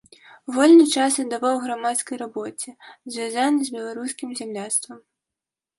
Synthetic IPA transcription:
vɔlʲnɨt͡ʂasnɐd̪avawɣɾamat̪skɐjɾabɔt͡sʲɛzʲvʲazanɨzʲbʲɛlˠaɾusʲkʲimzʲamlʲast̪vɐm

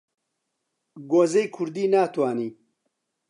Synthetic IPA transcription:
ɡozejkʰuɾd̪iːnaːt̪waːniː

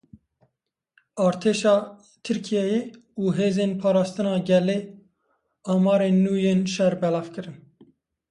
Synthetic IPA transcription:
ɑːɾt̪ʰeːʃɑː | t̪ʰɨɾkʰijɛje | uːɦeːzeːnpʰɑːɾɑːst̪ɨnɑːɡɛleː | ɑːmɑːɾeːnːuːjeːnʃɛɾbɛlɑːvkɨɾɨn

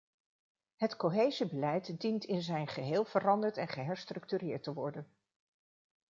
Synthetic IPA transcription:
ɦətkoɦejzibəlɛjtdintɪnzɛjnχəɦeːlˠvərɑndəɹtɛnχəɦɛɹstrɵk̚tyɾɪːɹtəʋɔɹdən

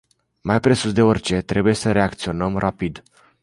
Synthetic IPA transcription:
majpɾe̞susd̪e̞o̞rʲt͡ʃe̞t̪ɾe̞buje̞səɾe̞akt̪sio̞nəmrʔapid̪

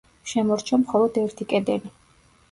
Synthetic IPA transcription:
ʃɛmɔɾt͡ʃʰamχɔlˠɔd̪ɛɾt̪ʰikʼɛd̪ɛli

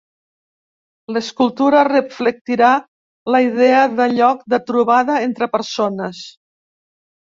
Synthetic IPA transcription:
ləskulˠt̪uɾərəflək̚t̪iɾa | ləið̞ɛəðəʎɔk̚d̪ət̪ɾuβaðəent̪ɾəpəɾsonəs

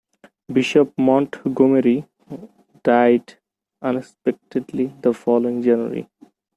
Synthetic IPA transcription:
biʃop̚mɔ̃ɳʈɡomeɾi | ɖ̥aɪɖ | ʌ̃nekspek̚ʈeɖlid̪əfɔloĩŋd͡ʒænə̰ɾḭ

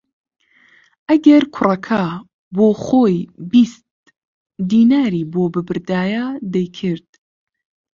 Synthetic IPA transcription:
ʔɐɡɐɾkʰʊrɐkʰa | boːxoːjbist̪̚ | d̪iːnaːɾiːboːbɨbɨɾd̪aːjad̪ɛjkʰɨɾd̪̥̚

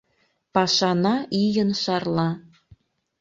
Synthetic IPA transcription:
pɑʃɑnɑʔijənʃɑrlˠɑ

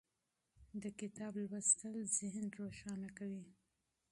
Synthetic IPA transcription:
d̪əkɪt̪ɑblwast̪əlzɪhnɾoʃɑnakawi

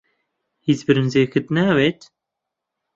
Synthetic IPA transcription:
hizbɨɾɨnzeːxɨt̪næːweːt̪

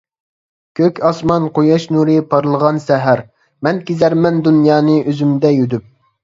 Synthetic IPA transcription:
kʲʰøkʲʰɑsmɑnqʰojɑʃnuɾɨpʰɑɾlˠəʁɑnsɛɦæɾ | mɛnkʲizæɾmɛnd̪unjɑːnɨʔøzymd̪ɛjød̪yp̚

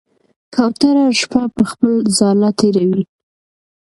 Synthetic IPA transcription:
kʰawt̪aɾaʃpapəxpəlzɑlat̪ʰeɾawi

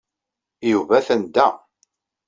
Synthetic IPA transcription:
juvæθənd̪æ

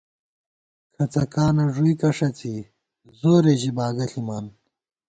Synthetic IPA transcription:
kʰɐt͡sɐkaːnɐʐuikɐʂɐt͡si | zoːɾeʑibaːɡɐɬimaːn

